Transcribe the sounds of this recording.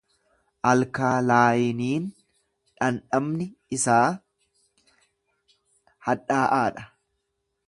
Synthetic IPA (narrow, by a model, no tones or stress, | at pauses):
ʔɐlkaːlaːjɪniːn | ᶑɐnᶑɐmnɪɪsaː | hɐᶑaːʔaːᶑɐ̥